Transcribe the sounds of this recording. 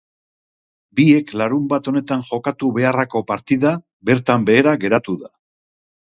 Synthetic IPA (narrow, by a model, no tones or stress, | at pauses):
bie̞klaɾumbat̪o̞ne̞t̪anʝo̞kat̪uβe̞arako̞paɾt̪iða | be̞ɾt̪ambe̞ːɾaɣe̞ɾat̪uða